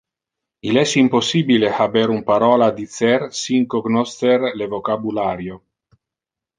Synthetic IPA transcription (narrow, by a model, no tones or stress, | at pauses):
ilɛsimposːibilehabeɾumpaɾɔːlad̪it̪sɛrsiŋkoɡnost̪erlevokabulaːɾjo